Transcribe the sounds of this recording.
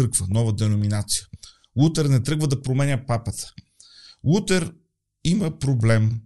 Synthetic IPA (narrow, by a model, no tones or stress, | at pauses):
ɾkvənɔvəd̪ɛnominat̪si̥jə | lˠut̪ɛɾnɛt̪ɾɛɡvəd̪ɐpɾomɛnʲəpapət̪ʰə̥ | lˠut̪ɛɾ | iməpɾoblɛm